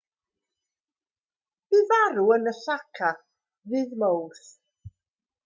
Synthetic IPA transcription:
b̥ivaɾuənəɬakʰa | vɨðmowθ

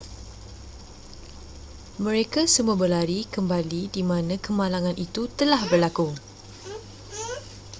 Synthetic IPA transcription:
mə̃ɾekasəmuabəlaɾikəmbalidimãnãkəmãlaŋãnʔit̪ut̪əlahbərlaku

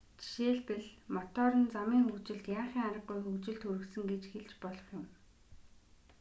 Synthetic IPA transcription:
t͡ɕi̥ʃeːɮpĕɮmɔt̪ɔɾə̆nt͡samiːŋxut͡ɕɪ̆ɮt̪jaːχiːŋaɾə̆qːujxut͡ɕɪ̆ɮt̪xuɾɘ̆ksɘ̆ŋɡet͡ɕxeɮt͡ɕpɔɮɞ̆χjʊ̆m

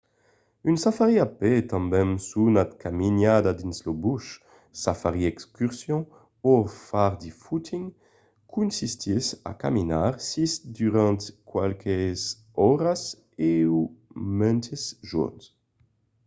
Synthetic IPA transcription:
ynsafaʁiapet̪ɑ̃mbɛ̃ŋsunad̪kaminad̪ad̪inslobuʃ | safaʁiɛkskyʁsjɔ̃ | ofaʁd̪ifut̪ʰiŋ | kʰunsist̪ʰisa̰kaminaʁsisd̪yʁãnt̪kwalkʰez | ɔʁas | eumɛnt̪ʰezʒṵʁns

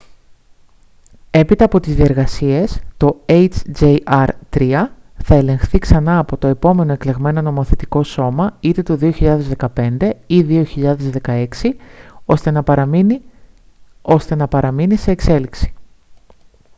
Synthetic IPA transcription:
e̞pit̪ɐːpo̞t̪izðie̞ɾɣɐsie̞st̪o̞ejt͡ʃd͡ʒeɐɾt̪ɾiɐ | θɐe̞lẽ̞ŋxθiksɐnɐːpo̞t̪o̞e̞po̞me̞noe̞kle̞ɣme̞no̞no̞mo̞θe̞t̪i̥ko̞so̞mɐit̪e̞t̪o̞ðio̞çiʎɐðe̞zðe̞kɐpe̞nd̪e̞iðio̞çiʎɐðe̞zðe̞kɐe̞ksiost̪enɐɐ | o̞st̪e̞nɐpɐɾɐminise̞ːkse̞liksi̥

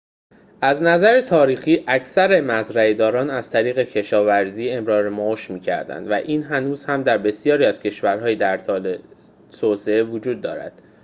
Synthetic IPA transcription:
ʔæznæzæɾet̪ʰɒːɾiːxiːʔæcʰsæɾe̞mæzɾæed̪ɒːɾɒːnæz̥t̪ʰæɾiːɣe̞cʰe̞ʃɒːvæɾziːe̞mɾɒːɾemoʃmiːcʰæ̰ɾd̪æ̰nd̪væ̰ʔiːnɦænuːz̥hæmd̪æɾbe̞sijɒːɾiːæz̥cʰe̞ʃvæɾɦɒːjed̪æɾt̪ʰɒːle | t̪ʰoseevod͡ʒuːd̪ːɒ̰ːɾæ̰d̪̥

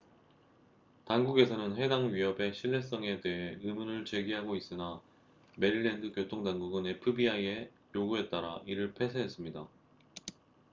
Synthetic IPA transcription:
tanɡuɡe̞sʰʌnɯnɸwe̞daŋɥiɦʌbe̞ɕʰiɭːe̞s͈ʌŋe̞te̞ɦeɯmunɯɭt͡ɕe̞ɡiɦaɡois͈ɯna | me̞ɾiɭːe̞ndɯkjotʰoŋdanɡuɡɯnepʰɯbiaie̞ | joɡuɦe̞t̚t͈aɾaʔiɾɯɭpʰe̞sʰeɦe̞s͈ɯmɲida

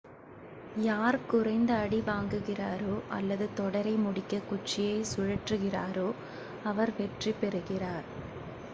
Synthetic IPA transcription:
jaːɾkʊrɐɪnd̪ɐːɽiʋaːŋɡɯɣɪraːɾoːʔɐ̰lːɐðɯt̪ɔɽɐɾɐɪmʊɽɪkːɐkʊt͡ʃːɪjɐɪsʊɻɐʈrɯɣɪra̰ːɾoː | ɐʋɐɾʋɛʈripɛɾɯɣɪraːɾ

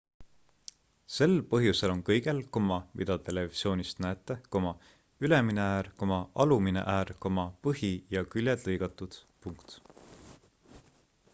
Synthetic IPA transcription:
se̞lpɤɦjuse̞lo̞nkɤjɡ̥e̞lko̞mɑmʔḭd̪̥ɑt̪e̞le̞visio̞ːnist̪næet̪ːˑeko̞mɑ | yle̞mineæːɾkomɑʔɑluminḛʔæːrko̞mɑpɤɦijɑkylʲjed̪̥lɤjɡ̥ɑt̪ːˑud̪̥puŋkt̪

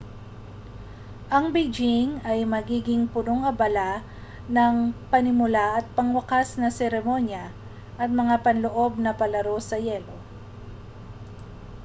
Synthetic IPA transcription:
ʔɐŋbid͡ʒɪŋɐjmɐɡiːɡɪŋpʊnoŋɐbɐla | nɐŋpɐnɪmʊlaʔɐt̪̚pɐŋwɐkasnɐsɛɾɛmo̞njɐ | ʔɐt̪̚mɐŋapɐnloʔo̞b̚nɐpɐlɐɾo̞sɐjɛlo̞

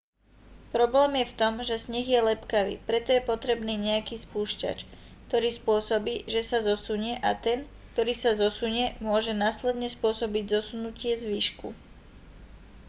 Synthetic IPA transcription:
pɾɔblɛːmjɛft̪ɔmʒɛsɲɛɣjɛlɛpkaʋḭːpɾɛt̪ɔjɛpɔt̪ɾɛbniːɲɛjakiːspuːʃca̰t͡ʃ | k̚t̪ɔɾiːspʊɔsɔbiːʒɛsazɔsuɲɪɛʔat̪ɛn | kt̪ɔɾiːsazɔsuɲɛmʊɔʒɛnaːslɛd̪ɲɛspʊɔsɔbiɟzɔsunucɪɛzʋiːʃkṵ

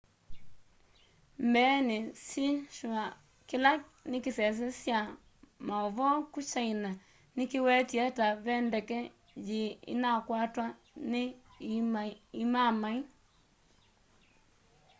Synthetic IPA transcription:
mbɛnesiʃa | kilanikisɛs̬ɛsja | maɔβɔkut͡ʃaina | nikiwɛtiɛtaβɛndɛkɛ | jd͡ʒiḭnakwatwa | nɪ | imamai

